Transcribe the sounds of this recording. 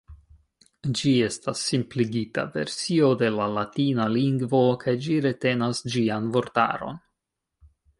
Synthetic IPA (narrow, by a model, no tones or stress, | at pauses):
d͡ʒie̞stasːimpliɡita̰ve̞̰ɾsio̞de̞lalatinaliŋɡvo̞kʰajd͡ʒiɾe̞te̞nasd͡ʒianvo̞ɾta̰ɾo̞̰n